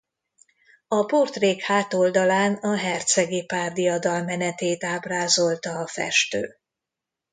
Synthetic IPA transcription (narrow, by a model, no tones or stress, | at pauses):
ɒport̪reːkhaːt̪o̞ld̪ɒlaːnɒɦɛrt̪sɛɡipaːrd̪iɒd̪ɒlmɛnɛt̪eːt̪aːbraːzo̞lt̪ɒːfɛ̰ʃt̪ø̰ː